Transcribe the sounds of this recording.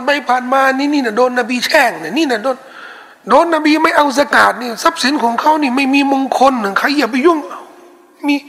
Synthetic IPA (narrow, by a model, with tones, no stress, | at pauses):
npa˧jpʰaː˨˩nmaː˧niː˧niː˧˩˨na˧doː˧nːa˧biː˧t͡ɕʰɛː˧˩ŋna˨˧˩niː˧˨na˧˩doː˧˨n | doː˧˥nːa˧biː˧ma˥˩jʔa˧ws̬aː˧kaː˨˩t̪̚niː˧˩sa˦˥˩p̚si˨˦nkʰɔː˨˦ŋkʰa˧˩wniː˧˩ma˥˩jmiː˧mo˧ŋkʰo˧nːɯ˧˩kʰa˧˩jːa˧˩p̬a˧ju˧˩˨ŋa˧˩w | miː˧˨